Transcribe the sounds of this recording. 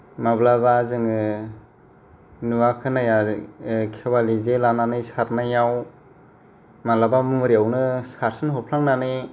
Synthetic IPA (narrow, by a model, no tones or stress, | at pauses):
mablaβazɯŋɯ | nuwakʰɯnaja | kʰewalizelananɯjsaɾnajaw | malabamuɾiawnɯsaɾsɯnɦɔpʰlaŋnanɯ